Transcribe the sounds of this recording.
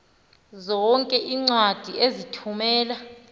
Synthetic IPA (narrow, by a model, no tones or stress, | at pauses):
zɔŋkʼɛʔiːŋ͡ǀwad̥ʱiʔezitʰumɛːla